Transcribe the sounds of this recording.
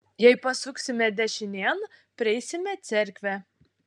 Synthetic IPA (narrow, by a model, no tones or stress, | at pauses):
jɛɪpɐsʊksʲɪmʲɛd̪ʲɛʃʲɪnʲeːnpʲɾʲɪɛɪsʲɪmʲɛt̪sʲɛɾʲkʲʋʲæ